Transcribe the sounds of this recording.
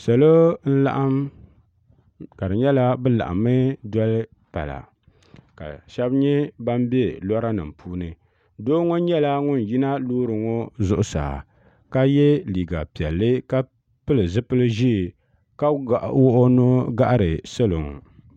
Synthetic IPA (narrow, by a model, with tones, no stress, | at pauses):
sa˨lo˦n̩˦la̰˦ʔa˦m | ka˨dɨ˨ɲɛ˦la˦bɨ˦la̰˨ʔa̰˨mːɨ˦dɔ˦lɨ˦ | pa̰˨la̰˨ | ka̰˨ʃɛ˦bɲɛ˦ba˦m˦bɛ˦lɔ˦ɾa˦nɨ˨mpʰuː˦nɨ˨ | doː˦ŋo˦ɲɛ˦la˦ŋʊ˦n˨ji˦na˦loː˦ɾɨ˨ŋo˦zʊ˨ʔʊ˦sa̰ː˨ | ka˦jɛ˦liː˨ɡa̰˨pi˨ɛ˨lːɨ˦ka˦ | pɨ˦lɨ˨zɨ˦pɨ˦lɨ˦ʒi˦˨ | ka˦ɡa˨ʔwo˦ʔo˦no˦ɡa˦ʔa˦ɾɨ˨sɨ˦lo˨ŋ˨